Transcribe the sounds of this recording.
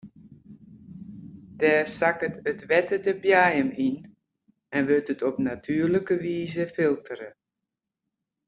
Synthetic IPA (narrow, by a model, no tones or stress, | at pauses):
d̥ɛːsakətətʋɛtədəbjaːjəmin | ɛnʋɪtətʰɔpnatʰyːrləkəʋiːzəfɪlˠtʰəɾə